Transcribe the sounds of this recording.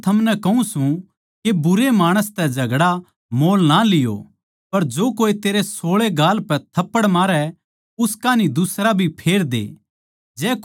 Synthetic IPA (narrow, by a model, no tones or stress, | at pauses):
t̪ʰɐmnɛkɐɦũsũ | kebʊɾemaːɽ̃əst̪ɛd͡ʒɐɡɽa | moːlnalɪjo̰ | pɐɾd͡ʒoːkoːit̪eːɾesoːɭeɡaːlpɛt̪ʰɐpːəɽmaːɾɛ | ʊskanid̪ʊsɾabʱipʰeːɾd̪ḛː | d͡ʒɛː